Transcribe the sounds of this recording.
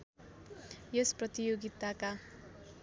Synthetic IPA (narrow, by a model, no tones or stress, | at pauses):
jesprʌt̪ijoɡit̪aka